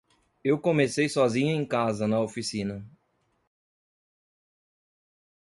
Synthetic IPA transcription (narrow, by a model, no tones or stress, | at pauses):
ewkõmesejsɔzĩɲʊẽj̃kazɐnɐofisĩnɐ